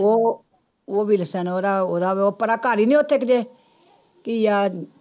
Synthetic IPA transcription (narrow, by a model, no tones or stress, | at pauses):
o | woʋilsanoɾaoðaʋeopaɾakaɾiniot̪ʰːekd͡ʒe | kija